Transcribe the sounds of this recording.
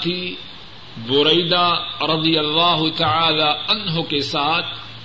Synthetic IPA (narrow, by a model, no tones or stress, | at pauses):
t̪i | bʊɾɐjd̪aɾˤɑd̪ijɐlːaːɦʊt̪aʕaːlaːʔɐnɦʊkesaːt̪̚ʰ